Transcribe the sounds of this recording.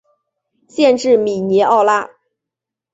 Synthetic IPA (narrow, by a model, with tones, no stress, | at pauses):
ɕjɛ˥˧nʈ͡ʂɻ̩˥˩mi˨˩nɛ˧˥ʔɑ˥˩˧ʊla˥